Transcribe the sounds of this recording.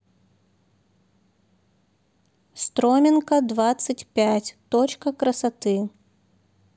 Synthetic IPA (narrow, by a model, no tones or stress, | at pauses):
st̪ɾomʲɪnkɐd̪vat̪sɨtʲpʲætʲt̪ot͡ɕkəkɾɐsat̪ɨ